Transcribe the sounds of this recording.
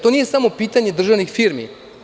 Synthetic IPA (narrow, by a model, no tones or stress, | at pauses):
t̪o̞nije̞samo̞piːt̪aɲe̞d̪r̩ʒaʋnixfiɾmḭ